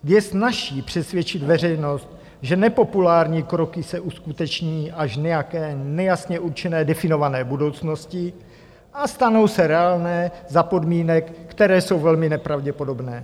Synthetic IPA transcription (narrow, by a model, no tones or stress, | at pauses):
jɛsnaʃiːpr̝̥ɛsvjɛt͡ʃɪd̪vɛr̝ɛjno̞st̪̚ | ʒɛnɛpo̞pulaːɾɲiːkɾokɪsɛʔuskut̪ɛt͡ʃɲiːʔaʃɲɛjakɛːnɛjasɲɛʔuɾt͡ʃɛnɛːdɛfɪno̞vanɛːbudo̞wt͡sno̞scɪ | ʔast̪ano̞wsɛɾɛaːlnɛːzapo̞dmiːnɛkːt̪ɛɾɛːso̞wvɛlmɪnɛpɾavɟɛpo̞do̞bnɛː